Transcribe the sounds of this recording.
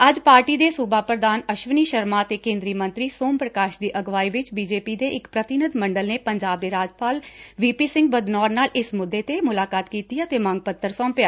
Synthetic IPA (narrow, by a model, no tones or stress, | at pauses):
əd͡ʒpaːɾʈiːd̪eːsʊbaːpɾəd̪aːnəʃʋəniːʃəɾmaːət̪eːkẽːnd̪ɾiːmə̃nt̪ɾiːsoːmpɾəkaːʃd̪iːʔəɡʋaːiːʋɪt͡ʃbiːd͡ʒeːpiːd̪eːʔɪkpɾət̪ɪnəd̪məɳɖəlneːpəɲd͡ʒaːb̚d̪eːɾaːd͡ʒpaːlʋiːpiːsɪ̃ŋɡ̚bəd̪nɔːɾnaːlʔɪsmʊd̪ːeːt̪eːmʊlaːkaːt̪kiːt̪iːət̪eːmə̃ŋɡ̚pət̪ʰːəɾsɔ̃ːmpjaː